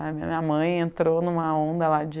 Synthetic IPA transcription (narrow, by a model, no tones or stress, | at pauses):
mĩɐ̃ɐmɐ̃j̃ẽnt̪ɾonũmɐõnd̪ɐlad͡ʒɪ